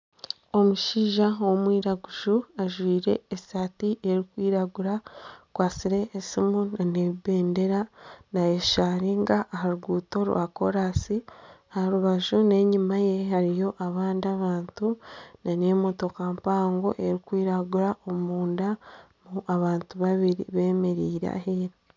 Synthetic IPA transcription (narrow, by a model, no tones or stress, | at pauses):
o̞muʃiːʒaomwiːɾaɡuʒuaʒwiːɾe̞̰ːsaːtiʔe̞ɾikwiːɾaɡuɾakwaːsiɾe̞ʔːsimunane̞βibe̞ːnde̞ɾanajeʃaɾiŋɡaːɦaɾuɡuːto̞ɾwa̰ko̞ɾaːsiahaɾuβaʒune̞ɲumaje̞haɾijo̞ʔaβaːndiaβaːntunane̞ːmoto̞kampaːŋɡo̞ʔe̞ɾikwiːɾaɡuɾaʔomuːnda | muʔaβaːntuβaβiɾḭβe̞ːme̞ɾiːɾa̰ɦeɾi